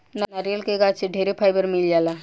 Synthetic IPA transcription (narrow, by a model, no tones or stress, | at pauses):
nanaɾjəlkeɡaseɖʱeɾepʰaːjbəɾmɪljaːla